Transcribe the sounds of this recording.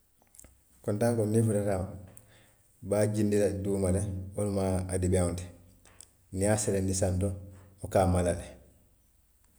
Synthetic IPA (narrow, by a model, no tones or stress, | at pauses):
kontaŋkonːifuɾeɾam | baːɟindiladuːmaleonumaːdibante̥ | niaselendisantoukaːmalale